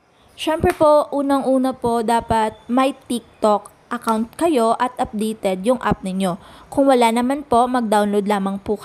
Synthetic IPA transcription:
ʃɛmpɾɛpo̞ʔuːnɐŋʔuːnɐpo̞d̪aːpɐt̪̚mɐjt̪ik̚t̪ok | ʔɐkawnt̪̚kɐjo̞ʔɐt̪ʔɐp̚d̪ɛjt̪ɛd̪jʊŋʔa̰p̚nɪɲo̞kʊŋwɐlanɐmanpo̞mɐɡ̚d̪awnlowd̪̚laːmɐŋpuːk

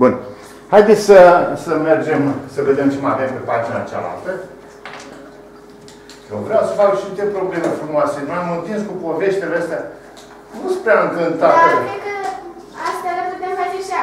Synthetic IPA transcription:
bun | hajd̪et̪sʲsəsəme̞rd͡ʒe̞msəve̞d̪emt͡ʃemave̞mpe̞pad͡ʒina̰t͡ʃea̰la̰lt̪ə | jovɾeawsəfakʃiit̪epɾo̞ble̞me̞fɾumoase̞nujamɨnvinskupo̞ve̞ʃt̪eleəst̪ea | nuspɾeaɨŋkɨnt̪at̪eekə | ast̪aɾaput̪eamed͡ʒeʃi

